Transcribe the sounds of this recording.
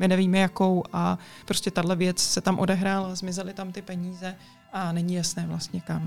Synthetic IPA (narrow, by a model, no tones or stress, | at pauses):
mɪnɛviːmɛjako̞wʔa | pɾo̞scɛt̪adɦlɛvjɛt͡ssɛt̪amʔo̞dɛɦɾaːlazmɪzɛlɪt̪amt̪ɪpɛɲiːzɛ | ʔanɛɲɪjasnɛːvlast̪ɲɛkam